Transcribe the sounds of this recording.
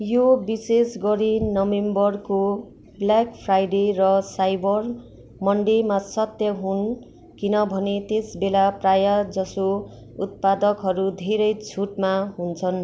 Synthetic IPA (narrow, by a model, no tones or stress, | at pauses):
jobisesɡʌɾinʌwembʌrko | blakpʰrajɖerʌsajbʌr | mʌɳɖemasʌt̪jʌɦun | kinʌbʱʌnet̪esbelaprajad͡zʌso | ut̪̚pad̪ʌkɦʌɾud̪ʱeɾʌjt͡sʰuʈmaɦunt͡sʰʌn